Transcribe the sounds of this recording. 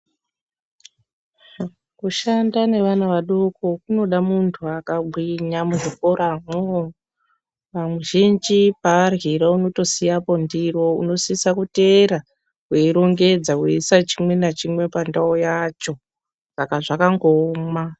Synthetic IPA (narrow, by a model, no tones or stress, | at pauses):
kuʃandane̞ʋanaʋaɗokokuno̞ɗamuntʰuakabʱwiɲamuʐikoɾamo | ʋamwuʒind͡ʒipaːrɣiɾauno̞to̞sijapo̞ndiro̞ṵno̞sisakuteɾa | kweiɾo̞ŋɡe̞d͡zaweisat͡ʃimwe̞nat͡ʃimwe̞pandaojat͡ʃo̞ | sakaʐakaŋɡoːma